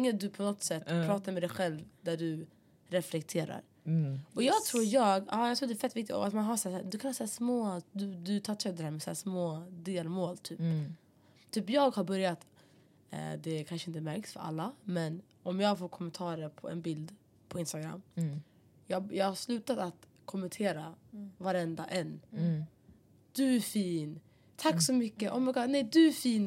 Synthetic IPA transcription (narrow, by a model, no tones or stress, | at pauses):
ɪŋːəd̪ɵpʰɔnɔt̪sɛt̪ːpʰɾɑːt̪aɾmɛd̪ɛjɧɛlvd̪æɖɵ | ɾɛflɛkt̪ʰeːɾa̰ɾ | ɔjɑːɡt̪ʰɾuːɾjɑːɡaːjɑɡt̪ɾuːɖdɛæːfɛt̪ːvɪkt̪ɪt̪ɔ̰at̪manɦaʂaːsːd̪ɵkʰanhaːsæːʂmoːd̪ɵd̪ɵt̪ʰɑːʈʰœd̪ɾhæːɾmɛsæ̰ːʂmoːd̪eːlmoːlt̪ʰyːp | t̪ʰyːpjɑːɡhaɾbœɾjat̪ː | d̪ɛkʰanʂəɪnt̪əmæɾksfœ̰ɾa̰lːamɛn | ɔmjɑːɡfoːɾkʰɔmɛnt̪ʰɑːɾəɾpʰɔɛ̰nbɪld̪ | pʰɔɪnst̪aɡɾa̰mː | jɑːjɑːɡhaɾslʉ̟ːt̪at̪at̪ | kʰɔmɛnt̪ʰeːɾavaɾɛnd̪aʔɛnː | d̪̥ʉæfiːn | t̪ʰakːsɔmʏkːəʔɔmɛɡɑnɛjd̪ɵæfiːn